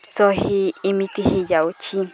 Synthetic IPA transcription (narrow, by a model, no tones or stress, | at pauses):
sohiːmĩt̪ihijaut͡ʃʰi